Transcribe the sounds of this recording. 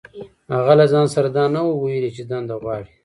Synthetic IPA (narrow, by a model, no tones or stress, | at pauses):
haɣalazɑːnsaɾad̪ɑnawowojelit͡ʃed̪and̪aɣwɑːɽi